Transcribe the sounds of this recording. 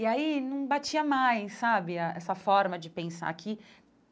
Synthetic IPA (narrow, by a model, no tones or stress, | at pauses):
iainɐ̃w̃bat͡ʃiɐmajsabɪaʔɛsɐfɔɾmɐd͡ʒɪpẽsa̰kʰɪ